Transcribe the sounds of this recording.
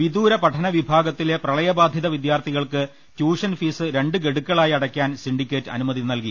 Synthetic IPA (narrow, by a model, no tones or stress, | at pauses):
ʋid̪uːɾɐpɐʈʰɐnɐʋibʱaːɡɐt̪ːile̞prɐɭɐjɐbaːd̪ʱjɐðɐʋid̪jaːrt̪ʰiɣɐɭkɨ | tjuːʂɐnfiːsɨɾe̞ɳɖɨɡe̞ɽukːɐɭaːjiɐɽɐkʲːaːnsiɳɖikʲːe̞ːtːɨɐ̰numɐðinɐlki